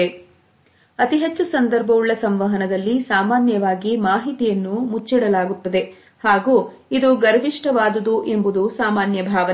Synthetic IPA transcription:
e | ɐt̪iɦet͡ʃːusɐnd̪ɐɾbʱɐʋuɭːɐsɐmʋɐɦɐnɐd̪ɐlːisaːmaːnjɐʋaːɡimaːɦit̪ijɐnːumut͡ʃːiɽɐlaːɡut̪ːɐd̪e̞ | haːɡu | id̪uɡɐɾʋiʂʈɐʋaːd̪ɐd̪uʔe̞mbud̪usaːmaːnjɐbʱaːʋɐ

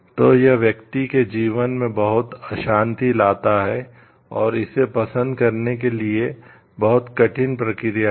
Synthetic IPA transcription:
t̪oːjɐɦʋjɐkt̪iked͡ʒiːʋənmẽbɐɦʊt̪əʃãːnt̪ilaːt̪aɦɛ | ɔːɾɪsepɐsə̃nd̪kɐɾnek̬elie | bɐɦʊt̪kɐʈʰɪnpɾɐkɪɾija

